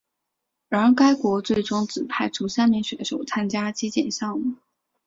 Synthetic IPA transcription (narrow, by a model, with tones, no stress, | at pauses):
ɻɑ˧˥˧ka˥ɪkwɔ˧˥t͡swe˥˩ɪʈ͡ʂʊ˥ŋt͡sɹ̩˨˩pʰa˥˩ɪʈ͡ʂʰu˥ɕja˥nmjɛ˧˥ŋɕɥɛ˧˥ʂo˨˩ʊt͡sʰa˥nt͡ɕja˥t͡ɕi˥t͡ɕjɛ̰˨˩nɕjɑ˥˩ŋm˥˩˦